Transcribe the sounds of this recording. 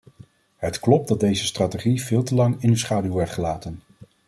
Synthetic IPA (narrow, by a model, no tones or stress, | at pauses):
ɦətklɔp̚dɑdejzəstraːteχiv̥ɪːlˠtəlɑŋɪnysχaːdywʋɛɹtχəlaːtən